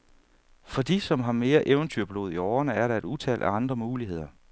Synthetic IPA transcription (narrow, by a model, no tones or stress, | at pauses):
fɒ̽d̥isɒ̽mɦɑ̈me̝ːɐʔeʊnt͡sʰyɐ̰b̥lo̝ːð̞̩ˠiɒːɐnəæɐɾɑ̈e̝ɾ̥ut͡sʰɛ̰l̰d̥æɑ̈nd̥ʁɐmuːliɦe̝ð̞̰ˠɐ